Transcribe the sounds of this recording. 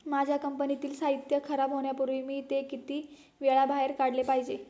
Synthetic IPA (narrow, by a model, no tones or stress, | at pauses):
mad͡ʑʱjakəmpənit̪iːlsaɦit̪jəkʰəɾabɦoɳ̃japuɾʋimiːt̪ekit̪iː | ʋeɭabʱaɦeɾkaɽlepaɦid͡ʑe